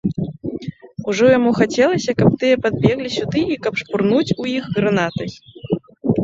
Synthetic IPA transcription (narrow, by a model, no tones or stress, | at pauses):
uʐɔjamuxat͡sʲɛlˠɐsʲɐkɐp̚t̪ɨjɛpad̪̚bʲɛɣlʲisʲud̪ɨikɐpʂpurnut͡sʲujixɣɾanat̪ɐj